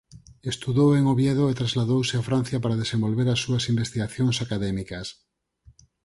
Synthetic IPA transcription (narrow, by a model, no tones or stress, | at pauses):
est̪uðoweŋoβjeðoet̪ɾazlaðowseafɾan̟θjapaɾað̞esẽmbolβeɾasːuasimbest̪iɣaθjoŋsakaðɛmikas